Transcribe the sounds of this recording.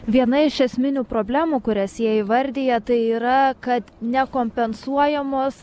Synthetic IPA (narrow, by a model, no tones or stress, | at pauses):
ʋʲiɛnɐɪʃɛsʲmʲɪnʲuːpɾoːbʲlʲæːmuːkʊɾʲɛsjiɛɪʋɐɾʲd̪ʲeːjɛt̪ɐɪiːɾɐkɐt̪nʲɛkoːmʲpʲɛnsuɔjɛmoːs